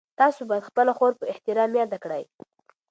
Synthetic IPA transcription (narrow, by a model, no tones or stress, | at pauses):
t̪ɑsobɑjad̪xpəlaxoɾpəɪht̪ɪɾɑmjɑd̪akɽəj